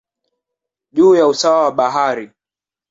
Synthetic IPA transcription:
ʄuːjausawawaɓaɦaɾi

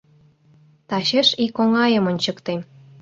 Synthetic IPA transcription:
t̪ɑɕeʃikoŋɑjə̆monʲt͡ɕə̆kt̪em

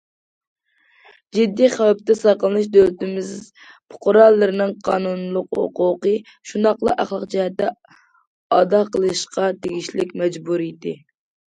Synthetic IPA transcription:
d͡ʒid̪ːiχæwp̚t̪ɛsɑqəlˠɨnɨʃ̬d̪ølt̪ɪmɪz | pʰʊ̥qʰʊɾɑlˠːɨɾɨnɨŋqʰɑːnunlˠʊqho̰quqə | ʃund̪ɑqlˠɑʔæχlˠɑqd͡ʒɛhɛt̪ːɛ | ɑd̪ɑqʰəlˠɨʃqʰɑt̪ʰeɡʲiʃlɪkʲmɛd͡ʒbuɾjd̪ɪ

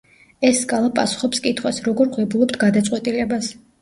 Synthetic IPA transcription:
ɛsːkʼalˠapʼasu̥χɔpskʼit̪ʰχwasɾɔɡɔɾʁwɛbulˠɔpt̪ʰɡad̪at̪sʼwɛt̪ʼilɛbas

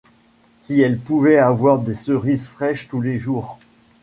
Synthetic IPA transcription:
siɛlpuvɛavwaʁd̪esəʁizfχɛʃt̪uleʒuːʁ

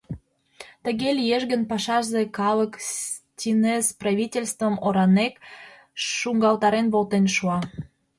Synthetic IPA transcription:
t̪ə̆ɣelʲjeʒɡənpɑʃɑʒzekɑləkstʲinesprɑβʲitʲelʲst̪vəmoɾɑnek | ʃuŋɡɑlt̪ɑɾenβolt̪enʃuɑ

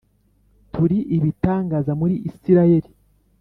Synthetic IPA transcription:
tuɾiʔiβitaːŋɡaːzamuɾiʔisiɾajeɾi

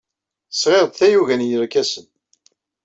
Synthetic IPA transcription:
θə̥sʁeʁd̪θæjuʝænjəɾkæsən

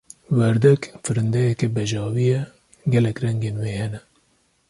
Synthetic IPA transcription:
wɛɾd̪ɛkfɨɾɨnd̪ɛjɛkɛbɛʒɑːwijɛ | ɡɛlɛkrɛŋɡeːnweːhɛnɛ

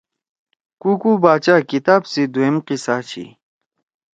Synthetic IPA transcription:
kukubaːt͡ɕaːkit̪aːbsid̪uemqisaːt͡ɕʰḭ

